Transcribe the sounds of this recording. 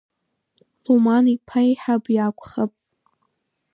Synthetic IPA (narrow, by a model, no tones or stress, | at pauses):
lumanipʰajħapʼjakʷʰʼχapʼ